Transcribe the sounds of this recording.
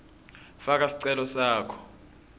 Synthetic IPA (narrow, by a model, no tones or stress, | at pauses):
fak̬asi̥ǀɛlɔsaːkʰɔ̥